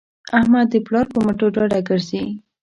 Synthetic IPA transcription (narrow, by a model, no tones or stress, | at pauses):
ahmad̪ːəplɑɾpəmaʈoɖɑɖaɡəɾzei